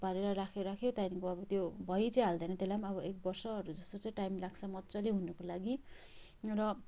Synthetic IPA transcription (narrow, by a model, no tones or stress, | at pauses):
paɾeɾʌɾakʰeɾakʰjot̪ajnikoʌbʌt̪jobʱʌjit͡sʌj̃ɦald̪ʌjnʌt̪elamʌbʌek̚bʌrsʌɦʌɾud͡zʌst̪ot͡sʌj̃ʈajmlaɡt͡sʰʌmʌtːt͡sʌliɦunʌkolaɡi | rʌ